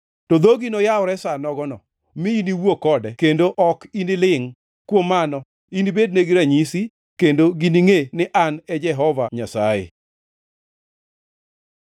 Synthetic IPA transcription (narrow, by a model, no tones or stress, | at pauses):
tod̪oɡinojaʊɾɛsanɔɡɔnɔ | miiniwokɔdɛkendoʔɔkinilɪŋ | kwomanɔ | inibedneɡɪɾaɲisi | kendoɡiniŋenɪʔanɛd͡ʒɛɦɔvaɲasa̰jḛ